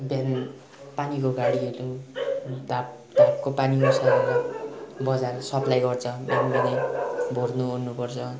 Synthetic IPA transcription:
bʱjan | panikoɡaɽiʌlu | d̪ʱap̚ | d̪̥ʱap̚kopanikosaɾlabʌd͡zarsʌplajɡʌrt͡sʰʌbjanbinajbʱornuɦornupʌrt͡sʰʌ

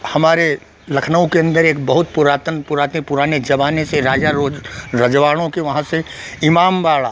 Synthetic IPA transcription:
hɐmaːɾe | lɐkʰnəõkeɐ̃nd̪əɾeːkbɐɦʊt̪̚pʊɾaːt̪ənpʊɾaːt̪epʊɾaːned͡ʒɐʋaːneseɾaːd͡ʒaɾoɾɐd͡ʒʋaːɽ̃õkeʋɐɦãse | ɪmaːmbaːɭaː

